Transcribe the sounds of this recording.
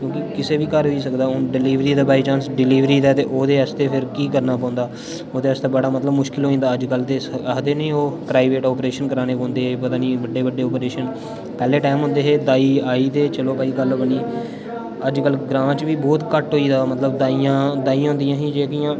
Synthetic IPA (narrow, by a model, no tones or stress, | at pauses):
kjõːkɪkɪseːʋiːkəɾɦoiːsəkd̪aːoːɖɪliːʋɾiːd̪aːbaːiːt͡ʃãːnsɖɪliːʋɾiːd̪ɛːt̪eːʔoːd̪eːəst̪eːpʰɪɾkiːkəɾnaːpɔ̃ːnd̪aː | oːd̪eːəst̪aːbəɽaːmət̪ləbmʊʃkɪlɦoːĩːnd̪aːəd͡ʒkəlt̪eːsəd̪eːnĩːoːpɾaːɪʋeːʈɔːpɾeːʃənkəɾaːñeːbõːnd̪eːeːpət̪aːniːʋəɖeːʋəɖːeːɔːpɾeːʃən | pɛːleːʈaːmɦʊ̃nd̪eːɦeːd̪aːiːaːiːt̪eːt͡ʃəloːpaːiːɡəlbəɳiː | əd͡ʒkəlɡɾãːt͡ʃʋiːbɔːt̪kəʈɦoːiːd̪aːmət̪ləbd̪aːijãːd̪aːiːãːʊ̃ːnd̪ɪjãːɦĩːd͡ʒeːkijãː